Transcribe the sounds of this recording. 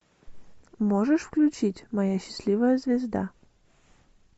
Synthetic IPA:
moʐɨʂfklʲʉt͡ɕitʲmɐjaɕːɪ̥sʲlʲivəjəzvʲɪzd̪a̰

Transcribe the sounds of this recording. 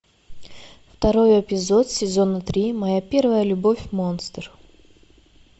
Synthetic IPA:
ft̪ɐɾo̞jepʲɪzot̪sʲɪzo̞nət̪ɾʲimɐjapʲe̞rvəjəlʲʊbo̞fʲmo̞nst̪r

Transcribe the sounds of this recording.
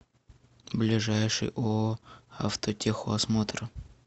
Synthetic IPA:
blʲɪʐajʂɨ̰jʔoa̰ft̪otʲexoɐsmot̪ɾə

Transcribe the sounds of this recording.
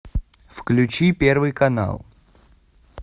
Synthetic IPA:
fklʲʉt͡ɕipʲe̞rvɨjkɐna̰lˠ

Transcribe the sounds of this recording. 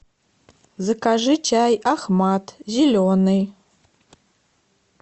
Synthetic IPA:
zɨkʰaʐɨt͡ʃʰaːjaχmatʰzilʲonej

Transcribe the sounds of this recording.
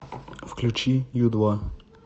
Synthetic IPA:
fklʲut͡ʃijud̪wa

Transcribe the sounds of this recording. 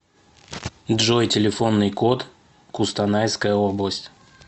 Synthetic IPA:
dʐojtʲɪlʲɪfo̞nːɨjkot̪ | kʊst̪anajskəjəoblˠəsʲtʲ

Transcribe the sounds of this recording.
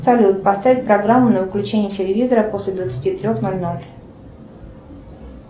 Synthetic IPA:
sɐlʲut̪̚pɐst̪avʲɪt̚ʲpɾɐɡɾamːʊnəvəklʲʉt͡ɕenʲɪjətʲɪlʲɪvʲizəɾəpo̞sʲlʲɪd̪vət̪sɨ̥tʲit̪ɾʲo̞xnolʲno̞lʲ

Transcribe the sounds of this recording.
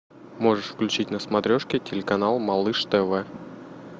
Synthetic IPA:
mo̞ʐɨʂfklʲʉt͡ɕitʲnəsmɐt̪ɾʲoʂkʲɪtʲɪlʲɪkɐnalˠmɐlˠɨʂt̪ɛvɛ

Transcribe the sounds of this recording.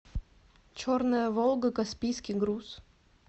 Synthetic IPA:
t͡ɕornɨjəvolˠɡəkɐspʲijskʲiɡɾus

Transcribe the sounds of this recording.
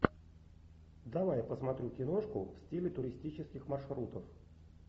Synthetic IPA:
d̪ɐvajpəsmɐt̪ɾʲukʲɪno̞ʂkʊfsʲtʲilʲɪt̪ʊɾʲɪsʲtʲit͡ɕɪskʲɪxmɐrʂɾut̪əf

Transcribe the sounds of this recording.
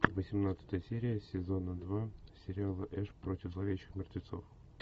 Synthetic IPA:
vəsʲɪmnat̪sə̥t̪əjəsʲeɾʲɪjəsʲɪzo̞nəd̪vasʲɪɾʲɪalˠəʔɛʂpɾotʲɪvzlˠɐvʲeɕɪxmʲɪrt̪vʲɪt̪so̞̰f

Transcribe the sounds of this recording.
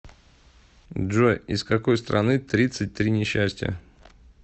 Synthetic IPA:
ʐojɪskɐko̞jst̪ɾʔɐ̰nɨt̪ɾʲit̪sɨt̚ʲt̪ɾʲinʲɪɕːæsʲtʲɪjə̰

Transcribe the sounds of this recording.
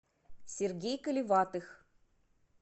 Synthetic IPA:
sʲerɡʲejkɨlʲivɑt̪ɨx

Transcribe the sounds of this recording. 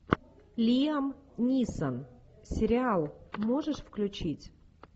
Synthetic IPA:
lʲiəmnʲisən | sʲɪɾʲɪalˠmo̞ʐɨʂfklʲʉt͡ɕitʲ

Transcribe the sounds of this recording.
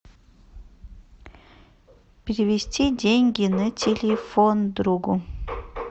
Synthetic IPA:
pʲɪɾʲɪvʲɪsʲtʲidʲeŋʲɡʲinɨtʲʰelʲefond̪ɾuɡu

